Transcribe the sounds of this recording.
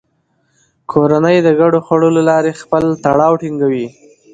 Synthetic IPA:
kʰoɾanəjd̪əɡaɽoxaɽolalɑɾexpəlt̪aɽɑwʈiŋɡawi

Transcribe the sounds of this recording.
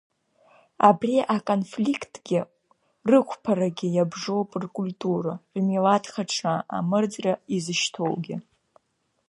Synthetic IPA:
abrʲiʔakʼo̞nflikʰtʰʼɡ̥ʲɪ | rɨkʷʰpʰaɾaɡʲɪjabʐowpʼɨrkʼulʲtʼuɾamilatʰχaʈ͡ʂʰaa̰mɨrd͡zraizɨʃtʰo̞̰wɡʲɪ

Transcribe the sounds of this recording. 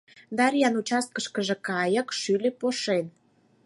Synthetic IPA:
d̪ɑɾʲjɑnut͡ɕɑst̪̚kəʃkəʒĕkɑjə̆kʃylʲepoʃen

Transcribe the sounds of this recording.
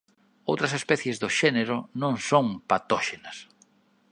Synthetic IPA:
owt̪ɾɐsespɛθjezðoʃɛneɾʊnõŋsõŋpat̪ɔʃenɐs

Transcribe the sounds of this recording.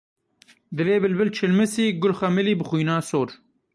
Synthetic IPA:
d̪ɨleːbɪlbɪlt͡ʃʰɪlmɨsiːɡʊlxamɪliːbɨxujnaːsoːɾ

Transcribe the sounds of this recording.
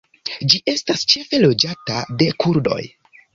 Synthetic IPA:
d͡ʒiʔe̞stast͡ʃe̞fe̞lo̞d͡ʒatade̞kuɾdo̞̰j

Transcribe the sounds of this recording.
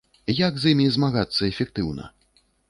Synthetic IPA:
jaɡzʲimʲizmaɣat̪sːɐɛfʲɛk̚t̪ɨwnɐ̰

